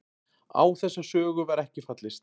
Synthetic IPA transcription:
a̰ːwθɛsːasœːɣʏvaɾɛhcɪfat̪lɪst̪

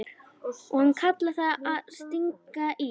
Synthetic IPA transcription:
ɔhankʰat̪laθaaðst̪iŋkaʔi

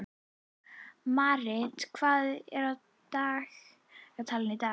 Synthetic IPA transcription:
maɾɪd̥kʰv̥aðɪɾɔ | d̥aɬ | rɔtʰalˠɪnida

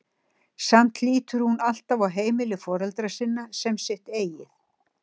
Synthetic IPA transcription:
sam̥t̪liːt̪ʏɾ̥hunal̥t̪avaɣɦeːjmɪlɪfɔːɾɛlt̪ɾasɪnːasɛmsɪht̪eːjɪθ

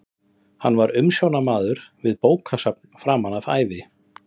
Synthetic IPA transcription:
hanːvaɾʏmsjownamaːðʏɾ̥vɪðpoːwkʰasap̚nfɾaːmanava̰ːjvɪ

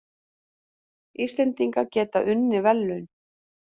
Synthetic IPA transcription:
iːst̪lɛnt̪iŋkacɛːt̪aʔʏnːɪvɛlːʏɥn

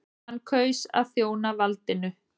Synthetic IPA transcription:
ankʰœːɥsa̰ðθjoːwnavalt̪ɪnʏ

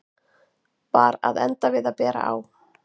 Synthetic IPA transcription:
paːɾaðɛnt̪avɪðapɛːɾa̰aw

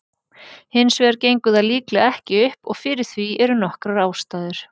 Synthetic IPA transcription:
hɪnsvɛɾcejŋkʏðaðliːklɪɛhcɪʏhpɔɣfɪɾɪɾ̥θviɛɾʏnɔhkɾaɾaːwst̪aːðʏɾ̥

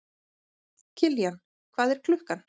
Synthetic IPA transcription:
cʰɪljan | kʰv̥aːðɛɾ̥kʰlʏhkan

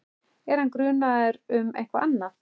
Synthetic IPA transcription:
ɛɾ̥hankɾʏːnaðʏɾʏmɛ̰jhkva̰ʔanːa

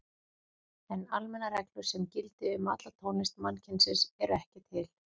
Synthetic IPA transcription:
ɛnalmɛnarɛklʏɾ̥sɛmcɪlt̪ɪʏma̰t̪lat̪ʰownɪst̪mancʰɪnsɪsɛɾɛhcɪt̪ʰɪl

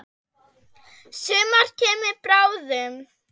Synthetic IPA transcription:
sɛːmaɾ̥cʰɛːmɪɾpɾaːwðʏm

